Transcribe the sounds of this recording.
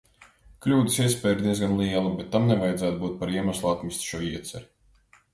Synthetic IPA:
klʲuːd̪i̥siɛspʲɛːɾd̪iɛzɡanlˠiɛlˠubʲet̪ːamnɛvajɛd̪zæːt̪buːt̪̚paɾiɛmaslˠuat̪mist̪ʃuɔiɛt̪sʲɛɾi

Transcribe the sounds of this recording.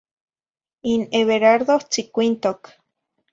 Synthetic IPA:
ineβeɾaɾðoht͡sikʷint̪ok

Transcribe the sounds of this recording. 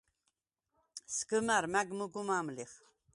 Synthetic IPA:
skəmæɾmæɡmuɡumamliχ

